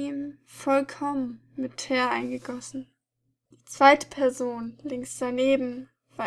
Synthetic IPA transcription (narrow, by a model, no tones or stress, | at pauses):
iːmfɔlkʰɔmən | mɪtʰɛːɐʔaɪnɡəɡɔsn̩ | d̥iːt͡sv̥aɪtə̥pʰɛɐzoːnlɪŋsd̥aneːbm̩ | v̥aː